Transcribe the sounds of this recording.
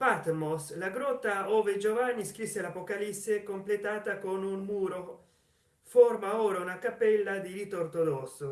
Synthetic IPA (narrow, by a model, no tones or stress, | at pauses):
pat̪moslaɡɾɔt̪ːaoːved͡ʒovanːiskɾisːelapokalisːekomplet̪aːt̪akonunmuːɾo | formaoːɾaunakapɛlːad̪iɾit̪ort̪od̪ɔso